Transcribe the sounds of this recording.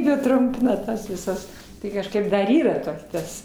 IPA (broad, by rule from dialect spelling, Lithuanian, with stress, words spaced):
ˈjiɛ ˈtrʊmʲpʲɪnɐ ˈtɐs ʋʲɪˈsɐs ˈtɐɪ kɐʃˈkɐɪp dɐr ˈiːrɐ ˈtoː ˈtɐs